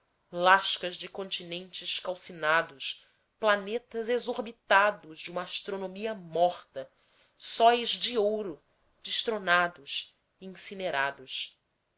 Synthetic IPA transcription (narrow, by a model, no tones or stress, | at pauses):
laʃkɐzd͡ʒɪkõnt͡ʃinẽnt͡ʃɪʃkawsinad̪ʊs | planet̪ɐzezoɾbit̪ad̪ʊʒd͡ʒɪũmɐaʃt̪ɾonõmiɐmɔχt̪ɐ | sɔjzd͡ʒɪowɾʊ | d͡ʒɪʃt̪ɾonad̪ʊʃ | iĩŋsineɾad̪ʊʃ